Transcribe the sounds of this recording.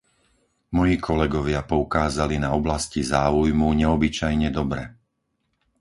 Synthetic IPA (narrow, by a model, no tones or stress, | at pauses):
mɔjiːkʰɔlɛɡɔʋɪapɔukaːzalinaɔblascizaːujmuɲɛɔbit͡ʃajɲɛd̪ɔbɾɛ